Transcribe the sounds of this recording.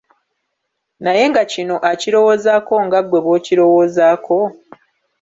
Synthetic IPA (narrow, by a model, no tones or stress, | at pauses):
naje̞ŋɡacino̞ʔaciɾo̞wo̞ːzaːko̞ŋɡaɡwe̞βo̞ːciɾo̞woːzaːkʰo̞